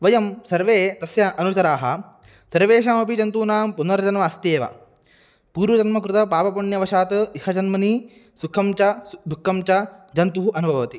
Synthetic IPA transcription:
ʋɐjɐmsɐɾʋeːt̪ɐsjɐʔɐnusɐɾaːɦɐ̰̆ | sɐɾʋeːʃaːmɐpid͡ʒɐnt̪uːnaːmpunɐɾɐd͡ʒɐnʋɐːst̪eːʋɐ̰ | puːɾʋɐd͡ʒɐnmɐkɾut̪ɐpaːpɐpuɳjɐʋɐʃaːt̪ɐikʰɐd͡ʒɐnmɐni | sukʰɐmt͡ʃɐd̪ʱukːɐmt͡ʃɐd͡ʒɐnt̪uɦuʔɐnubʱɐʋɐʋɐt̪i

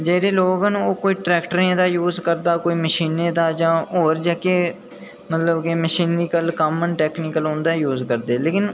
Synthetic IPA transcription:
d͡ʒeːɽeːloːɡənoːkoːiːʈɾɛːkʈəɾẽd̪aːjuːzkəɾd̪aːkoːiːməʃiːneːd̪aːd͡ʒãːoːɾd͡ʒɛːkeː | mət̪ləbkeːməʃiːnɾiːkəlkəːmənʈɛːkniːkəlɦõːnd̪aːjuːzkəɾd̪eːleːkɪn

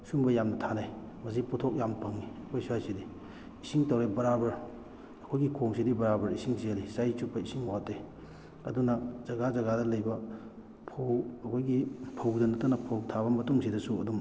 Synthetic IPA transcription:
suŋbɐjamnɐtʰanaj | mɐs̬iputʰok̚jampɐŋːiɐkʰojsuajsidi | isiŋtɐwɾebɐɾabɐɾ | ɐkʰojɡikʰoŋsidibɐɾabɐɾisiŋsiɐlisajt͡ʃupːɐisiŋwatːe | ɐdunɐzɐɡazɐɡadɐlɐjbɐ | pʰowɐkʰojɡipʰɐwdɐnɐtɐnɐpʰɐwtʰaβɐmɐtuŋsʰidɐsuɐ̰dum

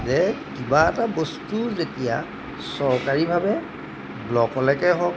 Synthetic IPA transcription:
zɛkibaɛtabostuzetija̰ | sɔɹkaɹibʱabɛ | blɔkɔlɛkɛɦɔk̚

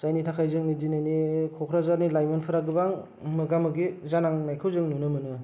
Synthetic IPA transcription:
z̥ajnitʰakʰajzɯŋnidinanikʰɔkʰɾazaɾnilajmɯnpʰɯɾaɡɯbaŋ | mɯɡamɯɡizanaŋnajkʰɯwzɯŋnunɯmɯnɯ

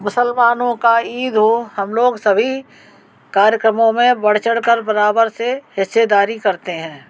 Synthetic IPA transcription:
mʊsəlmaːnõkaiːd̪ɦohɐmloːɡsɐbʱi | kaːɾjəkɾəmõmẽbɐɽ̤t͡ʃəɽkəɾbɐɾaːbəɾsehɪsːed̪aːɾikɐɾt̪eɦɛ̃ː

